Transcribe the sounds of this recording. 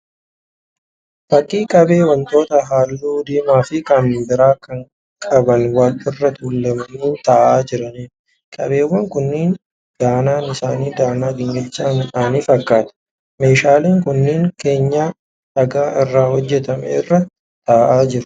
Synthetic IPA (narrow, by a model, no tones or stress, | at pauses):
fɐkʼːiːkʼɐbe̞ːwɐnt̪ʼo̞ːt̪ɐɦaːlːuːd̪iːmaːfɪkɐmːɪbɪɾaːkɐŋ | kʼɐbɐnwɐlɪrːɐt̪ulːɐmɐnuːt̪aːʔaːd͡ʒɪɾɐniː | kʼɐbe̞ːwːɐŋkʊnːiːn | d̪̥aːnaːnɪsaːniːd̪aːnaːɡɪɲːɛt͡ʃːaːnɪᶑaːniːfɐkːaːt̪ɐ̥ | me̞ːʃaːleːŋkʊnːɪːŋke̞ːɲːaː | sɐɡaːʔɪrːaːhɔd͡ʒːɛt̪ɐmɛ̰ɪrːɐt̪ːɪaːʔaːd͡ʒɪɾʊ̥